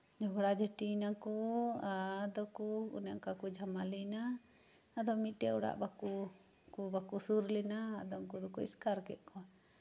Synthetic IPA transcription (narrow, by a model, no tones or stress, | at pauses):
d͡ʒɔɡɽad͡ʒəʈinakɔad̪ɔkuṵnɛʔkakud͡ʒamalɛnaː | d̪ɔmiʈɛɔɽa̰ʔbaku | kubakusuɾlɛnaːd̪ɔŋkud̪ɔkuḭskaɾkɛ̰ʔ̪̚kɔa